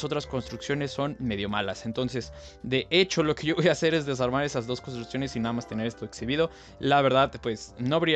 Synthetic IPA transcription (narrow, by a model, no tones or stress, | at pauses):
so̞t̪ɾasko̞nst̪ɾuksjo̞ne̞sːo̞nme̞ðjo̞malasent̪o̞nse̞s | d̪e̞ʔe̞t͡ʃo̞lo̞ke̞ʝoβojaːse̞ɾe̞zðe̞s̬aɾmaɾe̞sazðo̞sko̞nst̪ɾuksjo̞ne̞sinaðamast̪e̞ne̞ɾest̪oeksiβið̞o̞ | laβe̞ɾðaðpwe̞sno̞βeɾi